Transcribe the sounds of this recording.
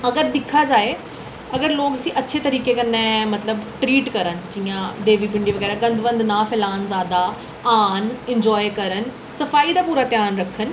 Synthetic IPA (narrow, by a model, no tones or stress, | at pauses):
ɐɡəɾd̪ɪkʰad͡ʒaːe | ɐɡəɾloːkəsĩʔɐtːʃʰet̪ɐɾiːkekɐnẽmɐt̪ləbʈɾiːʈkɐɾənɪ̆d͡ʒĩːãd̪eːʋip̬ɪ̃ɳɖiʋɐɡɛːɾaɡɐ̃nd̪ʋə̃nd̪naːfʰɪlaːənzaːd̪a | aːnɪ̃ɲd͡ʒɔːjkɐɾən̆ | sɐfaːid̪aːpuːɾat̪jaːnɾɐkʰən̆